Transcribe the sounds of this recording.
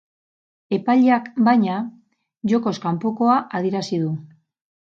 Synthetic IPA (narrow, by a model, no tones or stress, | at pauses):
e̞paʎakbajɲa | ʝo̞ko̞skampo̞ko̞aʔaðieɾasiðu